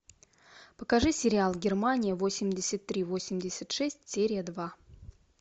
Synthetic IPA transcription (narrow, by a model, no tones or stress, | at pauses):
pəkɐʐɨsʲɪɾʲɪalˠɡʲɪrmanʲɪjəvo̞sʲɪmʲdʲɪsʲət̪̚ːɾʲivo̞sʲɪmʲdʲɪsʲət̪ʂɛsʲtʲsʲeɾʲɪjəd̪va